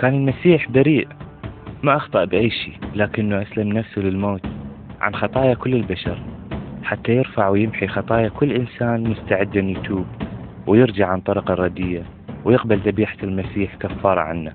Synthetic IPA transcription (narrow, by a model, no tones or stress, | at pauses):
kaːnɪlmasiːħbaɾiːʔ | maʔɑxt̪ˤɨʔbʔajːʃḭːlaːkɪnːuʔaslamnafsulɪlmoːt̪ʕa̰nxɑt̪ˤɑːjakʊlːɪlbaʃɑ̰ɾˤħat̪ːajɪɾfaʕwjɪmħixɑt̪ˤɑːjakʊlːʔɪnsaːnmʊst̪aʕɪd̪ːɪnjt̪ʰuːb | wjɪɾd͡ʒaʕant̪ˤɑɾˤɑqɑrˤːɑd̪ɪjːa | wjɪqbalt̪ɑbiːħḁlmasiːħkafːɑːɾˤɑ̰ʕa̰nːa